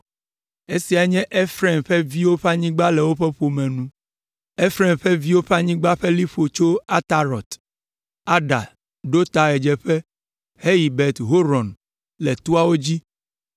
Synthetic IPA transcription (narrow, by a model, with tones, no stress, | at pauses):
e˦si˨a˨ɲɛ̃˦ʔe˦fɾɛ˨mɸɛ˦vi˦wo˦ɸa˦ɲĩ˦ɡ͡ba˦lɛ˨wo˦ɸɛ˦ɸo˨mɛ̃˨nũ˦ | e˦fɾɛ˦˨mɸɛ˦vi˦wo˦ɸa˦ɲĩ˦ɡ͡ba˦ɸɛ˦li˦ɸo˨t͡ʃo˦a˦t̪a˨ɾɔ˨t̪ | a˦ɖa̰˨ | ɖo˦t̪a˨ɣɛ˨d͡ʒɛ˨ɸɛ˦ | he˦ji˨bɛ˨t̪ɦo˦ɾɔ˨n | lɛ˨t̪u˦a˦wo˦d͡ʑi˦